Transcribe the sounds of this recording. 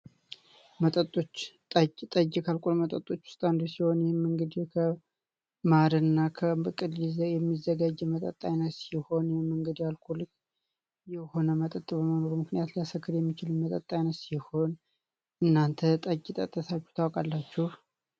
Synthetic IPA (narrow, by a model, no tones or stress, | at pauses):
mət̪ʼət̪ʼːot͡ʃːt̪ʼət̪ʼəd͡ʒːɪkʰalkʼolmət̪ʼət̪ʼːo̞t͡ʃːwʊ̥st̪ʼand̪osiho̞njɛmːɨŋɡəd̪kʰə | maɾɨɨnːakʰəɨkʼːɨd̪lizjɛmːizːəɡad͡ʒːɛmət̪ʼə̰t̪ʼːajnət̪siho̞njɛmːɨŋɡəd̪jalkʼʰulɨk | jɛho̞nəmət̪ʼət̪ʼbəməno̞ɾumɨknɨjat̪lijasəkʰːɨɾjɛmːit͡ʃɪlɨnmət̪ʼət̪ʼːajnəsiho̞n | ʔɨnːant̪ʰət̪ʼəd͡ʒit̪ʼə̰t̪ʼːət̪ʰat͡ʃːu̥t̪ʰawkʼalːat͡ʃːuh